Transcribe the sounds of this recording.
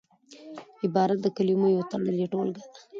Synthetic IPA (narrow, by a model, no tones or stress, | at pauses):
ɪbɑɾat̪̚d̪əkalimojot̪aɽəliʈolɡad̪a